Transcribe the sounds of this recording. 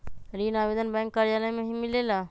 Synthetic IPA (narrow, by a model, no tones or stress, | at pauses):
ɾinabed̪ənbɛ̃ŋkːaɾijaləjmeɦimilela